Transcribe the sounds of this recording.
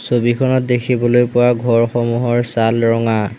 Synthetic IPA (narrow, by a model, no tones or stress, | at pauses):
sobikʰɔnɔt̚dekʰibɔlojpʊwaɡʱɔɹxɔmuɦɔɹsalɹɔŋa